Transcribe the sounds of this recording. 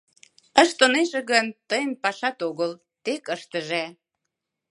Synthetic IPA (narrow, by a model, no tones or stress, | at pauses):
əʃt̪əneʒĕɣənt̪əjənpɑʃɑt̪oɣəl | t̪ekəʃt̪əʒe